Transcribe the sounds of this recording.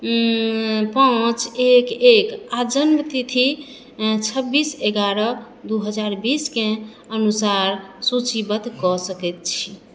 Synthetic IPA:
pãt͡ʃekekad͡ʒənmt̪it̪ʰi | t͡ʃʰəbːiseɡaɾə | d̪uɦəd͡ʒaɾbiske | ənusaɾsut͡ʃibət̪kɔsəkɛt̪̚t͡ʃʰi

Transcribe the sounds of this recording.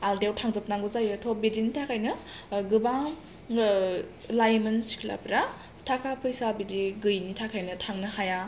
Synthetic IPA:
aldewtʰaŋzɯp̚naŋɡɯzajɯtʰɔbedinitʰakʰajnɯɡɯba | lajmɯnsi̥kʰla̰pʰɾa | tʰakʰapʰɯjsabidiɡɯjnitʰakʰajnɯtʰaŋnɯhaja

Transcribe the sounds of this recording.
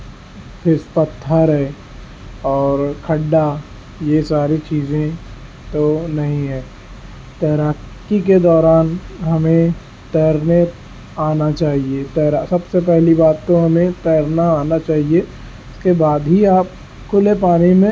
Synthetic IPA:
pʰɪɾspɐt̪ʰːəɾɦɛː | ɔːɾkʰɐɖːa | jesaːɾit͡ʃiːzẽ | t̪onɐɦĩɦɛː | t̪ɛːɾaːkkiked̪ɔːɾaːnɦɐmẽ | t̪ɛːɾne | aːnat͡ʃaːɦiet̪ɛːɾaːsɐbsepɛɦlibaːt̪ːoɦɐmẽt̪ɛːɾnaaːnat͡ʃaːɦie | ɪskebaːd̪ɦiaːp̚ | kʰʊlepaːnimẽ

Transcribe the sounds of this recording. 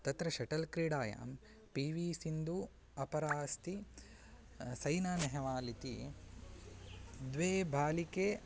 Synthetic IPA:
t̪ɐt̪ɾɐʃɐʈɐlkɾiːɽaːja̰ːm | piːʋiːsind̪u | ɐpɐɾaːst̪i | sɐjnaːneɦɐʋaːlit̪i | d̪ʋeːbʱaːlikeː

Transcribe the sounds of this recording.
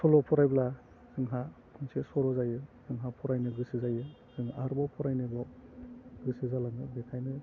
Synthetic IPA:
sɔlɔpʰɔɾajbla | z̥ɯŋɦa | kʰuŋsesɔɾɔzajɯz̥ɯŋɦapʰɔɾajnɯɡɯsizajɯ | z̥ɯŋa̰ɾbɔpʰɔɾajnɯɡɔ | ɡɯsizalaŋɯbetʰajnɯ

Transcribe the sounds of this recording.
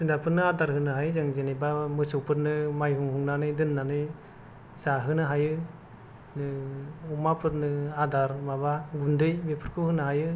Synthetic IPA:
sɯndapʰɯtnɯadaɾɦɯnɯɦajɯzɯŋzenijbamɯsɯwpʰɯtnɯmajɦuŋɦuŋnanɯjdɯnːanɯj | saɦɯnɯɦajɯ | ɯumapʰɯtnɯadaɾmabaɡundɯjbepʰɯɾkʰɯwhɯnɯɦajɯ

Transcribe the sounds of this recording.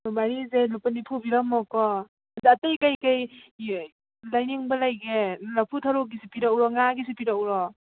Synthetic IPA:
baɾizelupanipʰubiɾɔmɔkɔ | adːtajkajkaj | lajniŋbɐlajɡelapʰutʰaɾok̬̚isipiɾawɾɔŋaɡisipiɾawɾɔ

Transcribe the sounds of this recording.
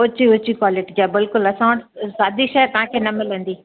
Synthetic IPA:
ʊt͡ɕiʊt͡ɕikaːlɪʈikaːbɪlkʊlɐsãʋɽsaːd̪iʃɛt̪ɐʋãkʰeːnɐmɪlə̃nd̪iː

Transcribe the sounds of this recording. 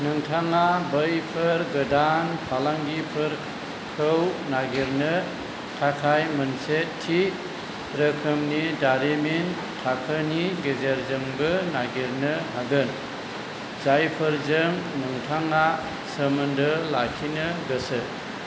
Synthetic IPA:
nɯŋtʰaŋabəjpʰɯɾɡɯdanpʰalaŋɡipʰɯɾ | kʰɯwnaɡiɾnɯ | tʰakʰajmɯnsetʰːi | ɾəkʰəmnidaɾemin | tʰakʰəniɡezeɾzɯŋbɯnaɡiɾnɯɦadɯn | zajpʰɯɾzɯmnɯŋtʰaŋa | səmɯndɯlakʰinɯɡəsɯ

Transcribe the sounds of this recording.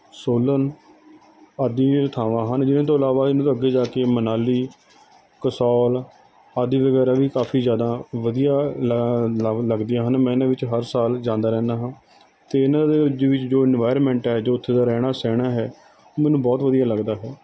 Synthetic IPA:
soːlən | aːd̪iːt̪ʰaːʋãːɦənd͡ʒɪnãːt̪õːəlaːʋaːɪnãːt̪oːəɡeːd͡ʒaːkeːmənaːliː | kəsɔːl | aːd̪iːʋəɡɛːɾaːʋiːkaːpʰiːzjaːd̪aːʋəd̪ijaː | ləɡd̪ɪjãːɦənmɛ̃ːɪnãːʋɪt͡ʃɦəɾsaːld͡ʒãːnd̪aːɾɛːnaːɦãː | t̪eːɪnãːd̪eːd͡ʒeːʋɪt͡ʃd͡ʒoːɪnʋaːɪɾmɛ̃ːɳʈɦɛːd͡ʒoːt̪ʰːeːd̪aːɾɛːɽ̃aːsɛːɽ̃aːɦɛː | oːmɛ̃ːnũːbɔːt̪ʋəd̪ijaːləɡd̪aːɦɛː

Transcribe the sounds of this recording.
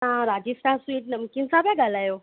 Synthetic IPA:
nãɾaɡisʈãsiʈ̚nəməkint͡sabãɡalajo

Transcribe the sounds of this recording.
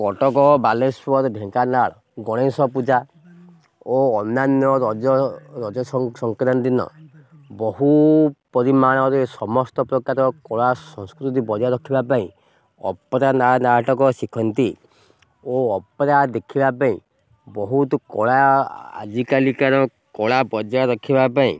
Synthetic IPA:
kɔʈɔkɔbaleswɔɾɔɖʱẽŋkanaɭɔ | ɡɔɽ̃esɔpud͡ʒa | oɔnːanɔɾɔd͡ʒɔɾɔd͡ʒɔsɔsɔŋkeɾɔnd̪inɔ̰ | bɔɦupɔɾimaɽ̃ɔɾesɔmɔst̪ɔpɾɔkaɾɔkɔɭasɔ̃ŋskɾut̪it̪̬ibɔd͡ʒaɾɔkʰibap̬aĩ | ɔ̰pɔɾanaɭɔnaʈɔkɔsikʰɔnt̪i | oɔpɔɾad̪ekʰibapaḭ̃ | bɔɦut̪ɔkɔɭaa̰d͡ʒikalikaɾɔ | kɔɭabɔd͡ʒaɾɔkʰibapaḭ̃

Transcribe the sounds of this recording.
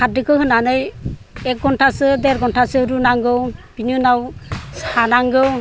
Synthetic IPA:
kʰat̚dɯkʰɯɦɯnanɯj | ɛk̚ɡɔntʰasɯdɛɾɡɔntʰasɯɾunaŋɡɯwb̥iɲunawsanaŋɡɯw

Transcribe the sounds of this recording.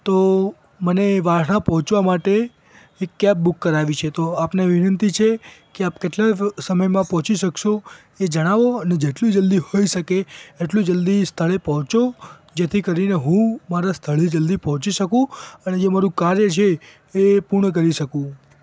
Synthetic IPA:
t̪o | məneʋaɦɽãpɔɦɔ̃t͡ʃʋamaʈe | ekːɛp̚bukːəɾaʋit͡ʃʰet̪oapneʋɪnənt̪it͡ʃʰekeapkeʈlasəməjmãpɔɦt͡ʃiʃəkʃõ | ed͡ʒəɽ̃aʋoəned͡ʒeʈlĩd͡ʒəld̪iɦojʃəkeeʈlũd͡ʒəld̪ist̪ʰəɭepɔɦɔ̃t͡ʃo | d͡ʒet̪ʰikəɾineɦũmaɾast̪ʰəɭed͡ʒəld̪ipɔɦɔ̃t͡ʃiʃəkũəned͡ʒemaɾũkaɾjət͡ʃʰeː | puɾɳək̬əɾiʃəkũ

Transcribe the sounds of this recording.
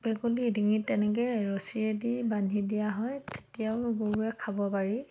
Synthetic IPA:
bɛɡɔlidiŋitːɛnɛk̬ɛɹɔsiedibanʱidijaɦɔjte̥tijaʊboɹuɛkʰabɔpaɹi

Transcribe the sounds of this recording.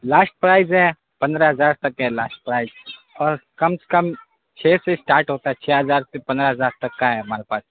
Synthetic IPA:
laːsʈ̚pɾaːɪzɦɛ | pɐ̃nd̪ɾaɦəzaːɾt̪ɐkːɦɛlaːsʈ̚pɾaːiz | ɔːɾkɐmse̥kɐm | t͡ʃʰeːsesʈaːɾʈɦoːt̪aɦɛt͡ʃʰɛːɦɐzaːɾsepɐ̃nd̪ɾaɦəzaːɾt̪ɐkːaɦɛɦɐmaːɾepaːs

